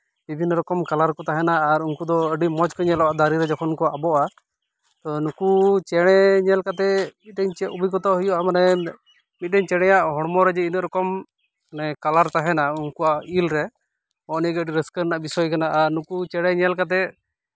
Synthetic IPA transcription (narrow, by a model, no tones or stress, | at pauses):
bibʱinːɔɾɔkɔmkalaɾkɔt̪aɦɛnaːɾuŋkud̪ɔəɖimɔd͡ʒkɔɲɛlɔʔaʔd̪aɾiɾɛd͡ʒɔkʰɔnkɔaʔabɔʔa | t̪ɔnukut͡ʃɛɽ̃ɛɲɛlkat̪ɛmit̪̚dɛɲt͡ʃɛʔubikɔt̪ɔʔɦujɔʔamanɛ | mit̪̚ɖɛɲt͡ʃɛɽ̃ɛjaʔɦɔɽmɔɾɛd͡ʒɛinəʔɾɔkɔm | anɛkalaɾt̪aɦɛnauŋkuaʔilɾɛ | ɔʔniɡɛəɖiɾəskəɾnaʔbisɔjkanaʔaɾnukut͡ʃɛɽ̃ɛɲɛlkat̪̬ɛ